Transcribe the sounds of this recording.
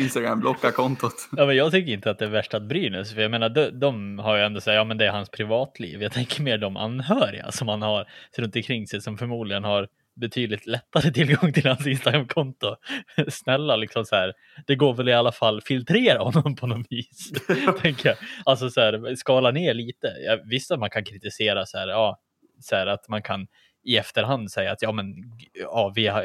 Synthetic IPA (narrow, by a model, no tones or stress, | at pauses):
ɪnst̪aɡɾa̰mblɔkːakʰɔnt̪ʊt̪jɑːmɛnjɑːɡ̚t̪ʰʏkːəɾɪnt̪əat̪̚d̪ɛæɾvæʂʈaat̪̚bɾyːnɵ̰sfœɾjaɡmeːnaɖɔd̪ɔmhaɾjɛnd̪ɔsæːɾjɑːmɛnd̪ɛæɾhanspʰɾɪvɑːt̪ʰlḭːvjɑːt̪ʰɛŋkəɾmeːɖɔmʔa̰nːɦœːɾɪ̰ɡa̰sɔmhanhaɾɾɵnt̪ɔnkʰɾɪŋːsɛjsɔmfœɾmuːd̪lɪɡənhaɾ | bɛt̪ʰyːd̪lɪt̪lɛt̪ːaɾət̪ʰɪlɡɔŋːt̪ʰɪlhansɪnst̪aɡɾamːkʰɔnt̪ʊsnɛlːalɪksɔmsæːɾ | d̪̥ɛɡoːɾvɛlɪalːafalːfɪlt̪ʰɾeːɾahɔnːɔmpʰɔnɔviːst̪ʰɛŋkəjɑːalsɔsæːɾskɑːlaneːɭiːt̪əjɑ̰vɪst̪at̪̚mankʰankʰɾɪt̪ɪseːɾasæ̰ːɾɑː | sæːɾat̪mankʰan | ɪɛft̪əɾɦand̪sɛjːa̰ːt̪jɑːmɛnɑːvɪ